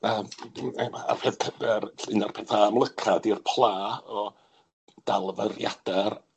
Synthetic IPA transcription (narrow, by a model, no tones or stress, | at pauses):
əːmɛmaa̰pʰɛðkʰədɛɾɬɨnarpʰɛːθaːmlˠəkʰadirpʰlˠaːɔ | d̥alˠvərjad̥ar